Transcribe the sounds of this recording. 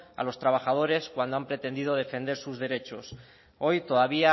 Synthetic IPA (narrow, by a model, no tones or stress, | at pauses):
a̰lo̞st̪ɾaβ̞axaðo̞ɾe̞skwand̪oampɾe̞t̪e̞nd̪iðo̞ð̞e̞fe̞nd̪e̞ɾsuzðe̞ɾe̞t͡ʃo̞s | o̞jt̪o̞ðaβia